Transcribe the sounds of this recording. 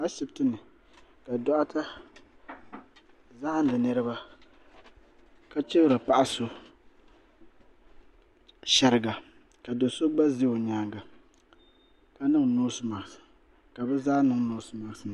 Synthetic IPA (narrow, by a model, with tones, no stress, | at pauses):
a˦ʃɪ˨btɨ˦nɨ˨ | ka˨dɔ˦ʔa˦tʰa˦ | za˦ha˦n˦dɨ˨nɨ˦ɾɨ˦ba˦ | ka˦t͡ʃɛ˦bɾɨ˨pa˦ʔa˦so˦ | ʃɛ˦ɾɨ˨ɡa˨ | ka˨do˨so˦ɡ͡ba˦ze˦o˨ɲaː˨ŋɡa˨ | ka˨nɨ˦ŋnoː˦sɨ˨ma˨ŋ˨s | ka˨bɛ˦zaː˦nɨ˦ŋnoː˦sɨ˨ma˨ŋ˨sɨ˨n˨